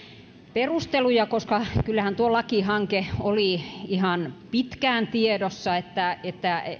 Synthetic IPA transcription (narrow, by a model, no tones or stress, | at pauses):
perust̪elujɑkoskɑkylːæhænt̪uolɑkihɑŋkeoliihɑnpit̪kæːnt̪iedosːɑet̪ːæet̪ːæ